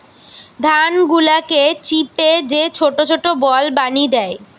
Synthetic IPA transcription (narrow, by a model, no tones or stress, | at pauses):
d̪ʱanɡulaket͡ɕiped͡ʑet͡ɕʰoʈot͡ɕʰoʈobɔlbanid̪ɛe